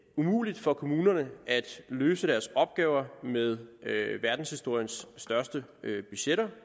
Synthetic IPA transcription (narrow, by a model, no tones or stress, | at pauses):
umṵːlid̥fɒ̽kʰo̝muːnɐnəʔæd̥løːsəd̥æɐsɒ̽b̥̚ɡ̥ɛːʊɐmeðˠʋæɐd̥n̩shisd̥o̝ɐ̰jənsːd̥ɶɐsd̥əøb̥yɕeɾɐ